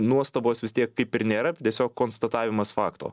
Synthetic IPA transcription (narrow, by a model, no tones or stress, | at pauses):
nuɔst̪ɐboːsʋʲɪst̪ʲiɛkkɐɪpɪɾnʲeːɾɐt̪ʲiɛsʲoːkkkoːnst̪ɐt̪ɑːʋʲɪmɐsfɑːkt̪o̰ː